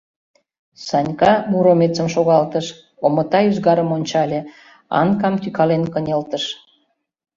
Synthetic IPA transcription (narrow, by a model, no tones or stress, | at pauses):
sɑnʲkɑmuɾomet͡səmʃoɣɑlt̪əʃ | omə̆t̪ɑyzɣɑɾəmonʲt͡ɕɑlʲe | ɑ̰nkɑmt̪ykɑlenkənʲelt̪əʃ